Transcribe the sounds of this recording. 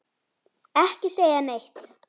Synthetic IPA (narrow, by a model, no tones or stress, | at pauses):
ɛhcɪseːjanejht̪